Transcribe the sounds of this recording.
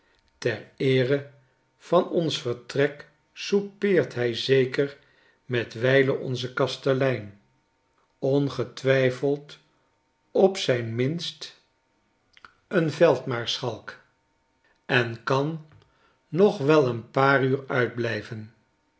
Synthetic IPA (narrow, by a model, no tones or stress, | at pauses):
tɛɹɪːrə | v̥ɑnɔnsfəɹtrɛk | supɪːɹtɦɛjzejkər | mɛtʋɛjləʔɔ̰nzəkɑstəlɛjn | ɔnχətʋɛjfəlˠt | ɔpsɛjnmɪnst | ənvɛlˠtmaːɹsχɑlˠk | ɛnkɑnː | ɔχʋɛlˠənpaːryːɹœɥd̚blɛjvən